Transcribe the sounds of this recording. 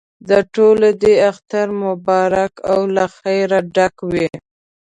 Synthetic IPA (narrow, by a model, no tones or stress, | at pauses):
d̪əʈoled̪eaxt̪aɾmʊbɑɾakawlaxajɾaɖakwi